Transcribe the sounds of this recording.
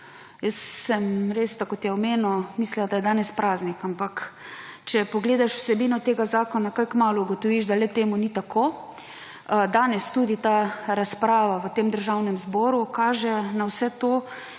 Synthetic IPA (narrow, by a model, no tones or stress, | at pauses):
jəsːɛmɾest̪akot̪jɛɔmeːnɔmisliad̪ajɛd̪aːnɛspɾaːznikampakt͡ʃɛpɔɡleːd̪aʃw̥sɛbiːnɔt̪eːɡazaːkɔnakajkmaːluːɡɔt̪ɔʋiʒd̪alɛt̪eːmunit̪akʰoː | d̪aːnɛst̪uːd̪it̪aɾaspɾaːʋaʋət̪eːmd̪əɾʒawnɛmzbɔːɾukaːʒɛnawsɛt̪oː